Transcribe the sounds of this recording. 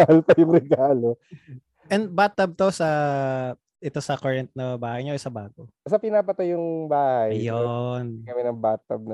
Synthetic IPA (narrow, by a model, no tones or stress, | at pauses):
ɐɐlpɐjʊŋɾɛɡaːlo | ʔɛn̚bat̪ːɐb̚t̪o̞sɐ | ʔɛt̪o̞sɐkɐɹɛnt̪̚nɐbaːhɐjɲoʔɛsɐbaːɡosɐpɪnaːpɐt̪ɐjʊŋbaːhɐjjonɐmɛnɐŋbat̪̚ɐb̚nɐ